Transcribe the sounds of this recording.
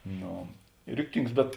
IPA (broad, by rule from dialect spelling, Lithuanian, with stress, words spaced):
ˈnoː ˈrʲɪktʲɪŋks bʲɛt